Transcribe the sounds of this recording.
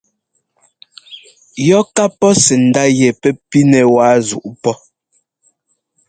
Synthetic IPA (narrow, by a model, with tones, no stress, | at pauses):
jɔ˦ka˦pɔ˦sɛ˨n̩˨da˦jɛ˨pɛ˦pi˦nɛ˨waː˨˦zṵ˨ʔpɔ˦